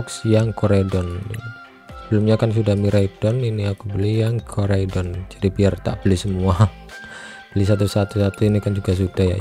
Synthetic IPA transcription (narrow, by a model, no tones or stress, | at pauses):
ksjaŋkoɾedɔnni | səbəlʊmɲakans̬udahmiɾaid̥ɔniniakubəlijaŋkʰoɾaidɔnd͡ʒadibiart̪a̰ʔb̥əlisəmua | b̥əlis̬at̪usat̪usat̪uinikand͡ʒuɡas̬ud̥ahja̰